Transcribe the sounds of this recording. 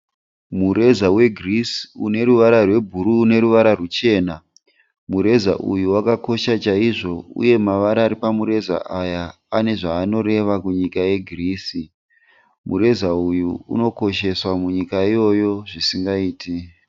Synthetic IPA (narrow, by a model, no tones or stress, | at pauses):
muɾe̞zawe̞ɡʱrisune̞ɾuʋaɾarwe̞bʱuɾuːne̞ɾuʋaɾarut͡ʃe̞ːna | muɾe̞za̰ʔujuwakako̞ʃat͡ʃaiʐo̞ṵje̞maʋaɾaːɾipamuɾe̞za̰ʔajaː | ne̞ʐaːno̞ɾe̞ʋakuɲikaje̞ɡʱriːsi | muɾe̞zaujuṵno̞ko̞ʃe̞swamuɲikaijo̞jo̞ʐisiŋɡaiːti